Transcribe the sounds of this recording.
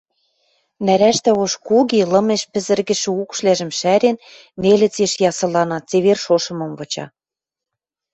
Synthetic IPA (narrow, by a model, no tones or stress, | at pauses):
næɾæʃt̪æoʃkuɣilɤ̆meʃpɘ̆zɘ̆rɣɘ̆ʃɘ̆ukʃlæʒɘ̆mʃæɾenː | elɘ̆t͡seʃjɑsɤ̆lɑnɑt̪t͡seβerʃoʃɤ̆mɤ̆mvɤ̆t͡ɕɑ̰